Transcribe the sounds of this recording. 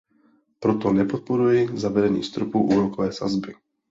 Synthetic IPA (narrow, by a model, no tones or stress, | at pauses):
pɾot̪ɔnɛpot̪̚poɾujɛzavɛdɛnḭːst̪ɾopuːʔuːɾokovɛːsa̰zbɪ